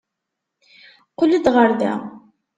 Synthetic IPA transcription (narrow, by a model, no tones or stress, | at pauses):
qʊlid̪ʁəɾðæ̰